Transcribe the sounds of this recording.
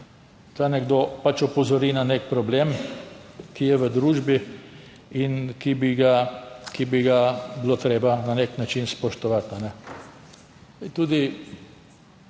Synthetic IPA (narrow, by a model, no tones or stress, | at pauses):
t̪anɛɡd̪opat͡ʃɔpɔzɔɾinanek̚pɾɔblem | kijɛʋəd̪ɾuːʒbi | inkibiɡakibiɡabilot̪ɾeːbananeknat͡ʃinspɔʃt̪ɔʋat̪anɛ | t̪uːd̪i